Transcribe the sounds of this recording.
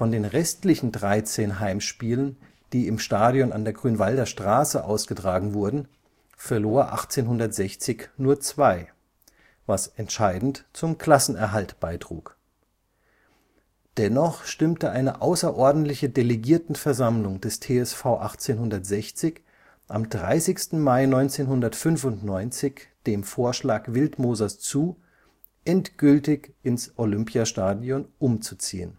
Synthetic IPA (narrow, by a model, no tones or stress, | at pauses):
fɔndeːnʁɛstlɪçn̩dʁaɪt͡seːnɦaɪmʃpiːlən | d̥iːɪmʃtaːdjɔna̰ndeːɐɡʁyːnvaldɐʃtʁ̥aːsəʔa̰ʊsɡ̥ətʁ̥aːɡŋ̩vʊɐdn̩ | fɛɐloːɐʔa̰χt͡seːnɦʊndɐtz̥ɛçt͡sɪçnuːɐt͡sv̥aɪ | vasʔɛntʃaɪdn̩tt͡sʊmkl̥asn̩ɛɐɦaltb̥aɪtʁ̥ṵːk | d̥ɛnɔχʃtɪmtəʔaɪnəʔaʊsɐʔɔɐdn̩tlɪçədeleɡiːɐtn̩fɛɐzamlʊŋd̥ɛstʰeːɛsfaʊʔaχt͡seːnɦʊndɐtz̥ɛçt͡sɪç | ʔamdʁaɪsɪçstn̩maɪnɔʏnt͡seːnɦʊndɐtfʏnfʊntnɔʏnt͡sɪçd̥eːmfoːɐʃlaːkvɪltmoːzɐst͡suː | ʔɛntɡ̥ʏltɪçɪnsʔolʏmpjaʃtaːdjɔnʔʊmt͡sut͡sḭːən